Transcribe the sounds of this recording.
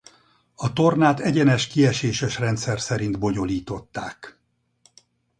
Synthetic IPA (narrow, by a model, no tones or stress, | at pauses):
ɒt̪o̞rnaːt̪ɛɟɛnɛʃkiɛʃeːʃɛʃrɛnt̪sɛrsɛɾint̪bo̞ɲo̞liːt̪o̞t̪ːaːk